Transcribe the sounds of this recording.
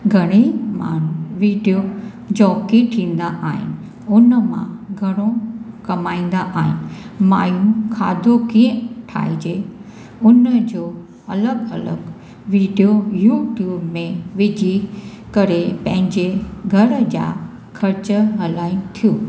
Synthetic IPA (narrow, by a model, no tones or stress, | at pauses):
ɡʱɐɽ̃ima̰ːnuʋiːɖijo | d͡ʑɔːkiʈʰĩːn̆d̪aʔaːɦɪ̰nɪ̆ | ʊnəmã̰ɡʱɐɽ̃õkɐmaːĩːn̆d̪aʔaːɦɪ̰nɪ̆ma̰ːjũmkʰaːd̪ʱokiːə̃ʈʰa̰ːɦid͡ʑe | ʊnəd͡ʑo | ɐləɡɐ̰lə̰ɡ | ʋiːɖijojuːʈjuːbmẽʋɪd͡ʑʱi | kɐɾepɐ̃ɦɪ̃ɲd͡ʑeɡʱɐɾd͡ʑa̰ | kʰɐɾt͡ɕɦɐlaːɪnt̪ʰijoː